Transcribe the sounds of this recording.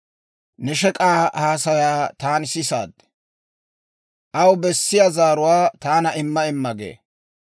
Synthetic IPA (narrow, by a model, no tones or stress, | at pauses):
nɛʃɛkʼaːhaːsɐjaːt̪aːnsɪsa̰ːd̪ | ʔɐwbɛsːɪjazaːɾʊwaːt̪aːnɐʔɪmːɐɪmːɐɡḛː